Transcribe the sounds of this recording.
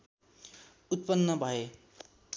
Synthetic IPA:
ut̪̚pʌnːʌbʱʌe

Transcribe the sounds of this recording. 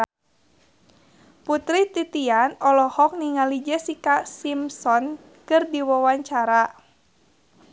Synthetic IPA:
put̪ɾit̪it̪ianɔlɔhɔk̚niŋalid͡ʒəsikasimsɔn | kɨrdiwawaɲt͡ʃaɾa

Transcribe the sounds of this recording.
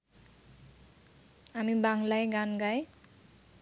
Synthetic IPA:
ɦamibaŋlajɡanɡaj

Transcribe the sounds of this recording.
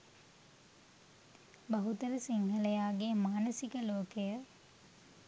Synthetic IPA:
bɐɦut̪əɾəsiŋɦələjaːɡemaːnəsikəloːkəjə

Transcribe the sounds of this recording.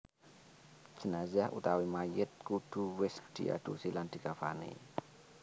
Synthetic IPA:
d͡ʒ̥ə̤nazahṵt̪awimajət̪̚kud̪̥ṳwɪsd̪̥ḭʔa̰d̪̥osiland̪̥i̤kafanḛ

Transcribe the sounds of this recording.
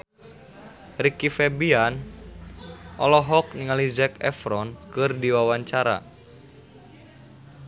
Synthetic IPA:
rikifɛbian | ʔɔlɔɦɔk̚niŋalizɛkɛ̰fɾɔnkɨrdiwawaɲt͡ʃaɾa̰

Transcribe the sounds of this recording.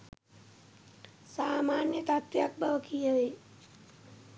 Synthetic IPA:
saːmaːnjət̪at̪jak̚bʱəʋkiəʋe

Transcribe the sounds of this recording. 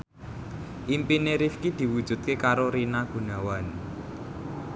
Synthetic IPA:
ʔimpineɾifkid̪̥i̤wud̥ʒ̥ṳt̪̚kekaɾoɾinaɡ̥ṳnawan

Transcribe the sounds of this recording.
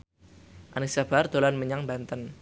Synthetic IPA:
ʔanisab̥ard̪̥o̤lanməɲaŋbant̪ən

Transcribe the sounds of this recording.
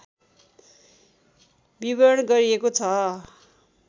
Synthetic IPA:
bibʌɾʌɽɡʌɾiekot͡sʰʌ

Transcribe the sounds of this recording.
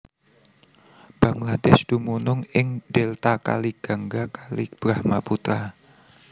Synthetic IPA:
b̥aŋladɛsd̪̥umunʊŋɪŋdɛlt̪aka̰liɡ̥aŋɡakalib̥ɾahmaput̪ɾa

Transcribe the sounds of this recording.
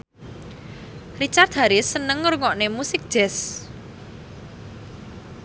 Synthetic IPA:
rit͡ʃart̪̚ɦaɾɪsənəŋːəɾŋɔʔnemusɪk̚ʒ̥ɛs

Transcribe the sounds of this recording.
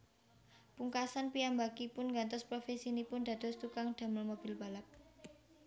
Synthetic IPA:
puŋkasanpijambakipʊnŋɡant̪ɔspɾofesinipʊnd̥̪ä̤d̪̥ɔ̤st̪ukaŋd̪̥ä̤məlmob̥ɪlb̥a̤lap̚

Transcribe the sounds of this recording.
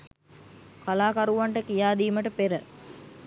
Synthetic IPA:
kalaːkɐɾuʋɐɳʈəkijaːd̪iːməʈəpeɾə

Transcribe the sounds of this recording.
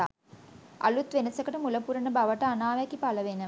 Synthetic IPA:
a̰ | a̰lut̪ʋenɐsəkəʈəmuləpuɾɐnəbaʋəʈəanaːʋækipaləʋenə

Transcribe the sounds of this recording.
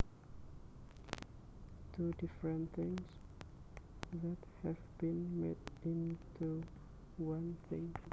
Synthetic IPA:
tʰudɪfɹə̃nθɪ̃ŋz̥ | ðəthɛvbĩnmetɪ̃ntʰu | wãnθɪ̃ŋ

